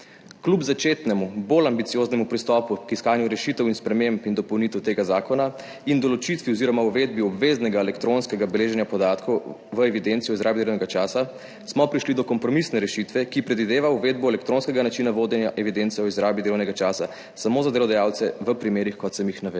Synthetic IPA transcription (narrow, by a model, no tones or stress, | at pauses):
klubzat͡ʃeːt̪nɛmubolambit̪sijoznɛmupɾist̪ɔpukiskaːnjuɾɛʃit̪ɛwinspɾɛmempind̪ɔpɔwnit̪ɛwt̪eːɡazaːkɔna | ind̪ɔlɔt͡ʃit̪ʋiɔziɾɔmauʋed̪biɔbʋeznɛɡaɛlɛkt̪ɾonskɛɡabɛleːʒɛnjapɔd̪aːt̪kʰɔwʋəɛʋid̪ent̪sijɔizɾaːbid̪elɐwnɛɡat͡ʃaːsa | smɔpɾiʃlid̪ɔkɔmpɾɔmisnɛɾɛʃit̪ʋɛkipɾɛd̪ʋid̪eːʋauʋed̪̚bɔɛlɛkt̪ɾoːnskɛɡanat͡ʃinaʋoːd̪ɛnja̰ʔɛʋid̪ent̪siɛɔizɾaːbid̪elɔwnɛɡat͡ʃaːsa | samozad̪elɔd̪ajaːwt̪sɛʋəpɾimeːɾixkɔt̪sɐmjixnaʋe